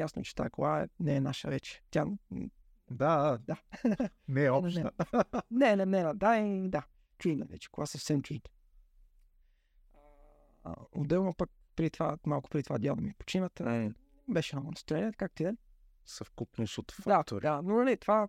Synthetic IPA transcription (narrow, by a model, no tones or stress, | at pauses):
jasno̰t͡ʃɛ̥t̪a̰ɛkoɡaɛ̰nɛːnaʃəvɛt͡ʃɛ̥t̪ʲja | d̪ad̪a | nɛɔnʃɛnɛnɛnɛɾɐd̪aɛd̪a | t͡ʃuinɛ̰vɛ̰t͡ʃɛ̥koɡasəfsɛmt͡ʃit̪ɛ̥ | o̰d̪ɛlˠnopək̚ | pɾit̪vamalˠkʊ̥pɾd̪it̪ovad̪jalˠd̪ɐmipo̥t͡ʃinət̪ni | bɛʃɛamənɐst̪ɾɛnɛt̪kak̚t̪ɛ | səfkukniʃot̪fd̪at̪ɾanonɐlit̪ova